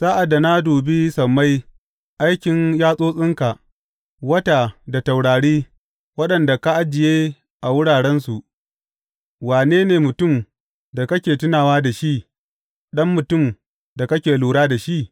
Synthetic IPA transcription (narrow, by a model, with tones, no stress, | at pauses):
saː˦ʔa˨dːa˨na˦duː˨bi˦sɐ˨mːa˦j | ʔa˦jkʲɪ˨njaː˦sʼoː˦sʼɪ˦ŋka˨ | wɐ˦ta˨da˨ta˨wɽaː˨ɽiː˦ | wɐ˦ɗɐ˨nda˨ka˦ʔa˦d͡ʒɪ˨jeː˦ | ʔa˨wʊ˦ɽaː˨ɽɛ˦nsu˨ʔ | waː˨neː˦neː˨mʊ˨tʊ˦˨m | da˨kɐ˦kʲeː˨tʊ˦naː˨waː˦da˨ʃi˦ʔ | ɗɐ˦mːʊ˨tʊ˦˨m | da˨kɐ˦kʲeː˨luː˨ɽaː˦da˨ʃi˦ʔ